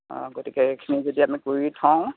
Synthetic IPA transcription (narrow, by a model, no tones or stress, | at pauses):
ɡotikɛekʰinizodiamikuɹitʰɔ̃w̃